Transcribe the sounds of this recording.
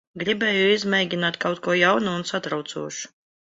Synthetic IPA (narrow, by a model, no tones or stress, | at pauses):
ɡɾibʲɛːjuizmʲɛjɡʲinaːt̪kawt̪̚kuɔjawnuunsat̪ɾawt̪suɔʃu̥